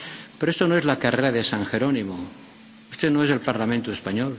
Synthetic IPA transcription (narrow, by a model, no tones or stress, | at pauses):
peɾoe̞st̪onoe̞zlakareɾaðe̞saŋxe̞ɾo̞nimo | ust̪e̞noese̞lpaɾlamẽnt̪ue̞spaɲol